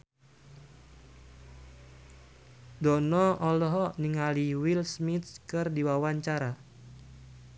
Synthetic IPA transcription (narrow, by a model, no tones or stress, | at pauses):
dɔnɔɔlɔɦɔniŋaliwilsmit̪̚kɨrdiwawaɲt͡ʃaɾa